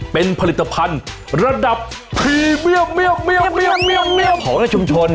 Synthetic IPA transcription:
pe˧npʰa˧li˨˩t̪ːa˧pʰa˧n | ɾa˧da˨˩ppʰːiː˧mɯ˥˩ək̚mɯ˥˩ək̚mi˥˩ək̚mi˥˩əkmi˥˩əkəɔː˩˦ŋna˧˥˩t͡ɕʰu˧mt͡ɕʰo˧n

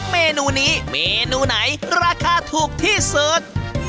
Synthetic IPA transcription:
meː˧nuː˧niː˦˥meː˧nuː˧na˩˦jɾaː˧kʰaː˧t̪ʰuː˨˩k̚t̪ʰiː˥˩sɤː˦˥t̪̚

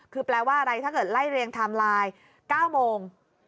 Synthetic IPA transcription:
kʰɯː˧plɛː˧waː˥˩ʔa˧ɾa˧jt̪ʰaː˥˩kɤː˨˩t̪̚la˥˩jɾeː˧ŋt̪ʰa˧mlaː˧j | kaː˥˩wmoː˧ŋ

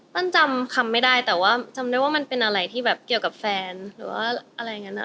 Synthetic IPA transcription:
t̪ɔ˥˩nt͡ɕa˧mkʰa˧mːa˥˩jdaː˥˩jt̪ɛː˨˩waː˥˩t͡ɕa˧mdaː˥˩jwaː˥˩ma˧npe˧nʔa˧ɾa˧jt̪ʰiː˥˩bɛː˨˩p̚ki˨˩əwka˨˩p̚fɛː˧nɾɯː˩˦waː˥˩ʔa˧ɾa˧jːa˨˩ŋːa˦˥nʔa̰˨˩

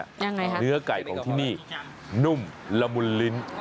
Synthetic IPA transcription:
ja˧ŋːa˧jkʰa˦nɯ˦˥ɐka˨˩jkʰɔː˩˦ŋt̪ʰiː˥˩niː˥˩ | nu˧˩mla˧mu˧nːi˦˥n

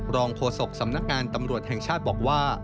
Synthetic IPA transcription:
ɾɔː˧ŋkʰoː˧so˨˩k̚sa˩˦mna˦˥k̚ŋaː˧nt̪a˧mɾu˨˩ət̪̚hɛ˨˩ŋt͡ɕʰaː˥˩t̪̚bɔː˨˩k̚waː˥˩

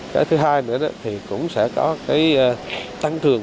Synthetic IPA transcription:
kaː˨˦jt̪ʰɨ˨˦ɦaː˧jnɨ̰˧˥ənɔ˨˦t̪ʰi˨˩kʊ̰˧˥ŋ͡msɛ̰˧˥˩kɔ˨˦kaː˨˦jːt̪a˧ŋt̪ʰɨ˨˩əŋ

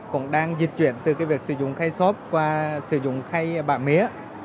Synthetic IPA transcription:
kʊ̰˧˥ŋ͡mɗaː˧ŋzi˨˩t̚t͡ɕwḭ˧˨ənt̪ɨ˨˩kaː˨˦vi˨˩ək̚sɨ̰˧˩zʊ̰˧˨ŋ͡mxaː˧jsɔ˦˥p̚kwaː˧˩sɨ̰˧˩zʊ̰˧˨ŋ͡mxa˧jɓa̰ː˧˩mḭ˧˦˥ə

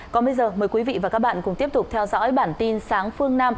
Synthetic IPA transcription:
kɔ˨˦nɓə˧jzəː˨˩məː˨˩jkwi˨˦vḭ˧˨vaː˨˩kaː˦˥k̚ɓaː˧˨nkʊ˨˧˩ŋ͡mt̪i˦˥əp̚t̪ʊ˨˩k͡p̚t̪ʰɛ˧wzɔ̰ː˧˥jɓaː˧˩nt̪i˧nsaː˨˦ŋfɨ˧əŋnaː˧m

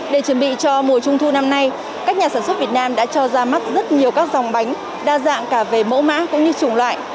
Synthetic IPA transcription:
ɗe˧˩t͡ɕə˨˩nɓḭ˧˨t͡ɕɔ˧mu˨˩ət͡ɕʊ˧ŋ͡mt̪ʰu˧na˧mna˧j | kaː˦˥k̚ɲaː˨˩saː˧˩nswə˦˥t̚vət̚naː˧mɗa̰ː˧˥t͡ɕɔ˧zaː˧ma˦˥t̚zə˦˥t̚ɲi˨˩əwkaː˦˥k̚zɔ˨˩wŋ͡mɓa˨˦jŋ̟ | ɗaː˧za̰ː˧˨ŋkaː˧˩ve˨˩mo̰˧˥ma̰ː˧˥kʊ̰˧˥ŋ͡mɲɨ˧t͡ɕʊ˨˧˩ŋ͡mlwa̰ː˧˨jʔ

